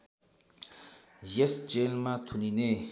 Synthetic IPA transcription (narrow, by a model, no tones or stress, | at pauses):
jesd͡ʒelmat̪ʰunine